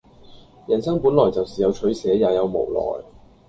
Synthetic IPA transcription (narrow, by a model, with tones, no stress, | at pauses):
jɐ˨˩nsɐ˥ŋpuː˨˥nlɔː˨˩jt͡sɐ˨˩wsiː˨˩jɐ˨˧wt͡ʃʰɵ˨˥ɥsɛː˨˥jaː˨jɐ˨˧wmo̰˨˩wlɔ̰ː˨˩j